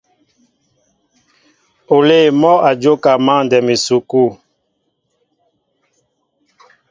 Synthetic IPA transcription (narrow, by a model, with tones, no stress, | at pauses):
o˨le˦˨mɔ˦a˨d͡ʒo˦ka˨ma˦˨ndɛ˨me˨su˨ku˦˨